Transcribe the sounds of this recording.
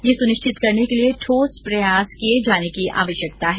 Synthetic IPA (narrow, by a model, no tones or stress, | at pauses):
jesʊnɪʃt͡ʃɪt̪kɐɾnekelieʈʰoːspɾɐjaːskied͡ʒaːnekiʔa̰ːʋəʃjək̚t̪aɦɛː